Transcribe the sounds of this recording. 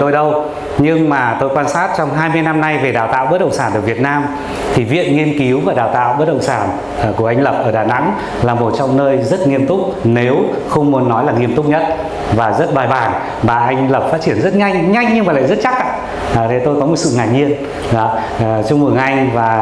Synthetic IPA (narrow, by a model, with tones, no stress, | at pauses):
t̪o˧jɗə˧w | ɲɨ˧ŋmaː˨˩t̪o˧jkwaː˧nsaː˦˥t̚t͡ɕɔ˧wŋ͡mɦaː˧jmɨ˧əjna˧mna˧jve˨˩ɗaː˨˩wt̪a̰ː˧˨wɓə˦˥t̚ɗə̰˧˨wŋ͡msaː˧˩nɗəː˨˧˩kvi˨˩ət̚naː˧m | t̪ʰi˨˩vḭ˧˨ənŋi˧ənki˨˦wvaː˨˩ɗaː˨˩wt̪a̰ː˧˨wɓə˦˥t̚ɗə̰˧˨ŋ͡msaː˧˩n˨˩ | ku˧˩əʔa˧jŋ̟lə˨˩p̚ʔəː˧˩ɗaː˨˩na̰˧˥ŋ | laː˨˩mo˨˩t̚t͡ɕɔ˧wŋ͡mnəː˧jzə˦˥t̚ŋi˧əmt̪ʊ˦˥k͡p̚ne˨˦w | xə˧wŋ͡mmu˨˦ənːɔ˨˦jlaː˨˩ŋi˧əmt̪ʊ˦˥k͡p̚ɲə˦˥t̚ | vaː˨˩zə˦˥t̚ɓaː˨˩jɓaː˨˩n | ɓaː˨˩ʔa˧jŋ̟lə˨˩p̚faː˦˥t͡ɕi˧˩ənzə˦˥t̚ɲa˧jŋ̟ɲa˧jŋɲɨ˧ŋmaː˨˩la̰ː˧˨zt̚t͡ɕa˦˥k̚ʔa̰ː˧˨˩ | t̪e˨˩t̪o˧jkɔ˨˦mo˨˩t̚sɨ̰˧˨ŋaː˨˩ɲi˧ən | ɗɔ˨˦˨ | t͡ɕʊ˧ŋ͡mmɨ˧˩ŋʔa˧jŋ̟vaː˨˩